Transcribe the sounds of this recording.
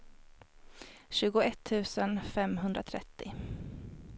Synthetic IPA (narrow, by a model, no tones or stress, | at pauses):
ɕʉ̟ːɡʊɛt̪ʰːʉ̟ːsənfɛmɦɵnd̪ɾat̪ʰɾɛ̰t̪ʰːɪ